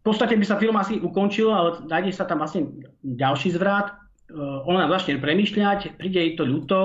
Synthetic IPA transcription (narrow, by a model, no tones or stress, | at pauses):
pɔt̪st̪acɛbisafilmasiʔukɔnt͡ʃilalɛd̪ajɟɛsat̪amʋlasɲɛɟalʃiːzʋɾat̪ | ɔnazat͡ʃɲɛpɾɛmiːʃʎacpɾiːɟɛit̪ɔʎut̪ɔ